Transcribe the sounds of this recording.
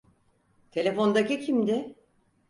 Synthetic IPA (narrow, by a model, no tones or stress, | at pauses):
t̪ʰe̞lʲe̞fo̞nd̪acicʰimd̪ɪ